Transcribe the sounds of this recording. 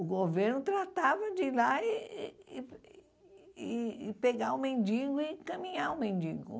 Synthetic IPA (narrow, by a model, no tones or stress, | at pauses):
ʊɡoveɾnʊt̪ɾat̪avɐd͡ʒɪlaɪ | ɪːpeɡaʊmẽnd͡ʒiɡʊɪkɐ̃mĩɲaʊmẽnd͡ʒiɡʊ̰